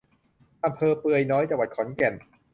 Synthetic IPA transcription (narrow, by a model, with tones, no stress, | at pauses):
ʔa˧mpʰɤː˧pɯ˧əjnɔː˦˥jt͡ɕa˧ŋwa˨˩t̪̚kʰɔ˩˦nkɛ˨˩n